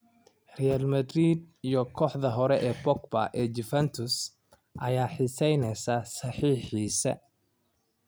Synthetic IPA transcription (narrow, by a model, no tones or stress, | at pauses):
rɛjalmɐd̪rid̪ijɔkʰɔːħðɐɦɔɾɛʔɛːbɔkbɐ̰ʔɛːd͡ʒɪfɛnt̪ʰʊs | ʔɐjaːħɪsɛjnɛsɐsɐħiːħiːsɐ̰